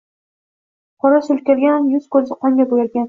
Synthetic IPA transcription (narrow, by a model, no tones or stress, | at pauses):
qʰɒɾaʃʊlkʲeɾɡʲanjʊz̥kɵzɪqʰɒŋɡʲabojaɾɡʲan